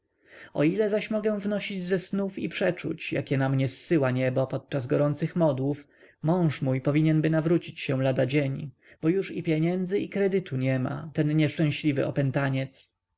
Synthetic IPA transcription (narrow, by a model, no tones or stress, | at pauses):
ɔ̰ilɛzaɕmɔɡɛw̃vnɔɕid͡ʑzɛsnufipʂɛt͡ʂṵt͡ɕja̰kʲɛnamɲɛsːɘwaɲɛbɔpɔt̪̚t͡ʂazɡɔɾɔnt̪sɘxmɔd̪wuf | mɔ̃w̃ʂmujpɔvʲiɲɛnbɘnavɾut͡ɕit͡ɕɕɛ̃w̃lad̪ad͡ʑeɲ | b̥ɔjuʂipʲjɛɲɛnd̪zɘʔikɾɛd̪ɘt̪ʰuɲɛma̰t̪ɛnɲɛʂt͡ʂɛ̃w̃ɕlʲivɘ̰ʔɔpɛnt̪aɲɛt̪s